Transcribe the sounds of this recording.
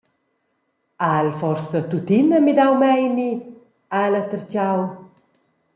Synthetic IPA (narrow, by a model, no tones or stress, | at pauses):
alfɔrsət̪ut̪inəmid̪awmɛjni | alat̪əɾt͡ɕaw